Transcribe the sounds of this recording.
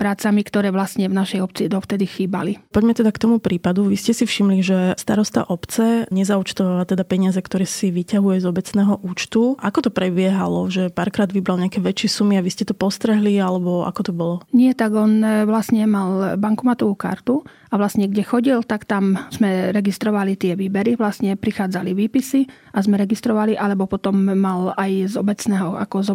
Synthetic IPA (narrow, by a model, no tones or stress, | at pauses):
pɾaːt͡samikt̪ɔɾɛːʋlasɲɛvnaʃɛjɔpt͡sid̪ɔft̪ɛd̪ixiːba̰lipɔɟmɛt̪ɛd̪akt̪ɔmupɾiːpad̪uʋiscɛsifʃimliʒɛst̪aɾɔst̪a̰ʔɔpt͡sɛɲɛzaut͡ʃt̪ɔʋaːʋat̪ɛd̪apɛɲɪazɛkt̪ɔɾɛːsiʋicaɦujɛzɔbɛt͡snɛːɦɔʔuːt͡ʃt̪uʔakɔt̪ɔpɾɛbɪɛɦa̰lɔʒɛpaːɾkɾaːd̪ʋibɾalɲakɛʋɛt͡ʃɪɛsumiaʋiscɛt̪ɔpɔst̪ɾɛɦlialɛbɔa̰kɔt̪ɔbɔlɔɲɪɛt̪aɡɔnʋlasɲɛmalbaŋkumat̪ɔʋuːka̰ɾt̪u | aʋlasɲɛɡɟɛxɔɟilt̪akt̪amz̥mɛɾɛɡist̪ɾɔʋalit̪ɪɛʋiːbɛɾiʋlasɲɛpɾixaːd͡zaliʋiːpisi | ʔazmɛɾɛɡist̪ɾɔʋaliʔalɛbɔpɔt̪ɔmːalajzɔbɛt͡snɛːɦɔʔa̰kɔzɔ